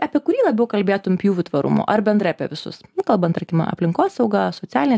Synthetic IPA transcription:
ɐpʲiɛkʊɾʲiːlˠɐbʲɛʊkɐlʲbʲeːt̪ʊmpʲjuːʋʲʊt̪ʋɐɾʊ̰mʊ̰ʔɐɾbʲɛnd̪ɾɐɪɐpʲɛʋʲɪsʊ̰sʊkɐlˠbɐnt̪ɐkʲɪmɐ̰ɐ̰pʲlʲɪŋkoːsɐʊɡɐsoːt̪sʲæːlʲɪnʲɛ

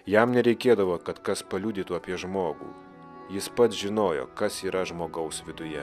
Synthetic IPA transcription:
jæmnʲɛɾʲɛɪkʲeːd̪ɐʋoːkɐt̪kɐspɐlʲuːd̪ʲɪːt̪uːɐpʲiɛʒmoːɡṵː | jɪspɐt̪sʒʲɪnoːjo̰ːkɐsiːɾɐʒmoːɡɐʊsʋʲɪd̪ʊjɛ

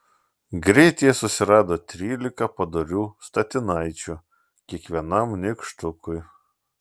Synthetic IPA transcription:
ɡɾʲɛɪt̪ʲɪjɛsʊsʲɪɾɑːd̪oːt̪ʲɾʲiːlʲɪkɐpɐd̪oɾʲuːst̪ɐt̪ʲɪnɐɪt͡ʃʲu | kʲiɛkʋʲiɛnɐmnʲɪkʃt̪ʊkʊj

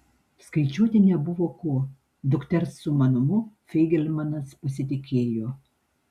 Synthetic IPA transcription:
skɐɪt͡ʃʲuɔt̪ʲɪnʲɛbʊʋoːkuɔ | d̪ʊkt̪ʲɛɾsːʊmɐnʊmʊfʲɛɪɡʲɛlʲmɐnɐspɐsʲɪt̪ʲɪkʲeːjoː

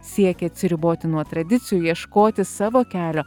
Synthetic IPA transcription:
sʲiɛkʲɛɐt̪ʲsʲɪɾʲɪboːt̪ʲɪnuɔt̪ɾɐd̪ʲɪt̪sʲɪjujiɛʃkoːt̪ʲɪsɑːʋoːkʲæːlʲoː

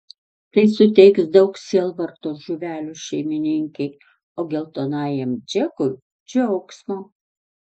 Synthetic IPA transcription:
t̪ɐɪsʊt̪ʲɛɪksd̪ɐʊksʲiːlˠʋɐɾt̪oːsʒʊʋʲæːlʲʊʃʲɛɪmʲɪnʲɪŋʲkʲɛɪ | oːɡʲɛlˠt̪oːnɑːjɛmd͡ʒʲɛkʊj | d͡ʒʲɛʊksmoː

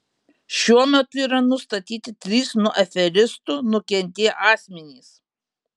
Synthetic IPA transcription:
ʃʲuɔmʲɛt̪ʊiːɾɐnʊst̪ɐt̪ʲiːt̪ʲɪt̪ʲɾʲiːsnuɔʔɛfʲɛɾʲɪst̪uːnʊkʲɛnʲt̪ʲeːʔɑːsʲmʲɛnʲiːs

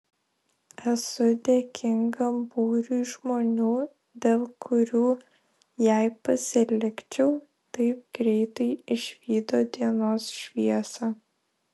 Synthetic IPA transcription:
ɛsʊd̪ʲeːkʲʰɪŋɡɐbuːɾʲuːʒmoːnʲuː | d̪ʲeːlˠkʰʊɾʲuː | jæɪpɐsʲɪlʲɪkt͡ʃʲɛʊ | t̪ɐɪp̚ɡɾʲɛɪt̪ɐɪɪʃʲʋʲiːd̪oːd̪ʲiɛnoːsʃʲʋʲiɛsɐ

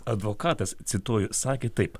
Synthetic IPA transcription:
ɐd̪ʋokɑːt̪ɐst̪sʲɪt̪uːjʊsɑːkʲeːt̪ɐɪp

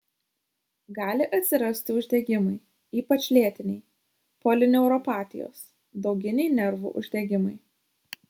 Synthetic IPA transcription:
ɡɑːlʲɪʔɐt̪ʲsʲɪɾɐsʲt̪ʲɪʊʒʲd̪ʲɛɡʲɪmɐɪ | iːpɐt͡ʃʲlʲiɛt̪ʲɪnʲɛɪ | polʲɪnʲɛʊɾɔpɑːt̪ʲɪjo̰ːs | d̪ɒʊɡʲɪnʲɛɪnʲɛɾʋṵʔʊʒʲd̪ʲɛɡʲɪmɐɪ

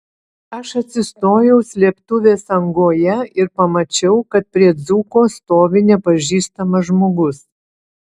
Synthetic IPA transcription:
ɐʃɐt̪ʲsʲɪst̪oːjɛʊsʲlʲiɛpt̪ʊʋʲeːsɐŋɡoːjɛɪɾpɐmɐt͡ʃʲɛʊkɐt̪̚pʲɾʲiɛd̪zuːkoːst̪oːʋʲɪnʲɛpɐʒʲiːst̪ɐmɐʒmoːɡʊs

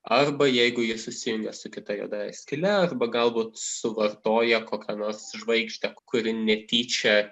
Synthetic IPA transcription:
ɐrbɐjɛɪɡʊjiɛsʊsʲɪjʊŋʲɡʲɛsʊkʲɪt̪ɐjo̰ːd̪ɐɛ̰sʲkʲɪlʲɛɐrbɐɡɐlˠbuːt̪sʊʋɐrt̪oːjɛkoːkʲɛnoːɾsʒʋɐɪɡʒʲt̪ʲɛkʊɾʲɪnʲɛt̪ʲiːt͡ʃʲɛ

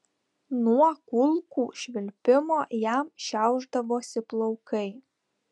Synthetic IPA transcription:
nuɔkʊlˠkuːʃʲʋʲɪlʲpʲɪmoːjæmʃʲæˑʊʒd̪ɐʋoːsʲɪplˠɐʊkɐɪ

